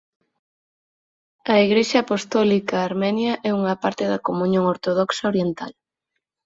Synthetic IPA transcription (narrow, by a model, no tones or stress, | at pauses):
ɐiɣɾeʃɐːpost̪ɔlikɐːɾmɛnjɐʔɛuŋɐpaɾt̪ɪðɐkomũɲõŋoɾt̪oðɔksɐoɾjent̪a̰l